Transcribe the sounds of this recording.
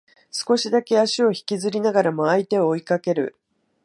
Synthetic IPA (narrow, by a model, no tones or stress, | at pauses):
sɨ̥ko̞ɕid̪ake̞aɕio̞çi̥kʲizɨɾʲinaɡaɾamo̞ait̪e̞oːikake̞ɾɯ̟̰